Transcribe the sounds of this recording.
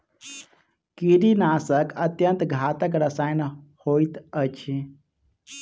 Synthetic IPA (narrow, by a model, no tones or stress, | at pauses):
kiɾinaːsəkət̪jənt̪ɡʱaːt̪əkɾəsaːjnhoːit̪ət͡ʃʰi